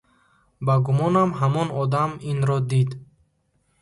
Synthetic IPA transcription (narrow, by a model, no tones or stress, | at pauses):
baɡumɔnamɦamɔnɔd̪aminɾɔd̪id̪